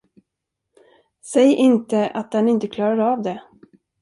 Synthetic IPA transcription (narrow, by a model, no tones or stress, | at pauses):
sɛjʔɪnt̪əʔa̰t̪̚d̪ɛnɪnt̪əkʰlɑːɾaɾavd̪ɛ